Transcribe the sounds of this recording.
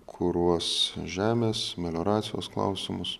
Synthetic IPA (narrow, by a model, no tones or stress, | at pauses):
kʰʊɾuɔsʒʲæːmʲeːsmʲɛlʲoːɾɑːt̪sʲɪjoːsklˠɑ̰ʊsʲɪmʊs